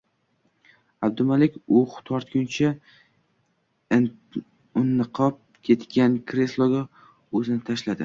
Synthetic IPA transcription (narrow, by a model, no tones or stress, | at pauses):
ab̚d̪ʊmalɪkʲʊχt̪ʰɒɾt̪ɡʲʊnt͡ʃʰa | ʊnːɨqʰɒp̚ | kʲʰe̞t̪kʲankʰɾe̞slˠoɡʲa | ɵzɪnɪt̪ʰaʃlad̪ɪ